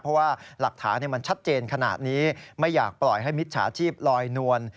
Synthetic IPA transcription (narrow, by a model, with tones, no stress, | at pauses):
pʰɔ˦˥waː˥˩la˨˩k̚t̪ʰaː˩˦nːi˧˩ma˧nt͡ɕʰa˦˥t̪̚t͡ɕeː˧nkʰa˧na̰ː˨˩t̪̚niː˦˥ma˥˩jːa̰ː˨˩k̚plɔ˨˩jɦa˥˩jmi˦˥t̪̚t͡ɕʰa̰ː˩˦t͡ɕʰiː˥˩p̚lɔː˧jnu˧ən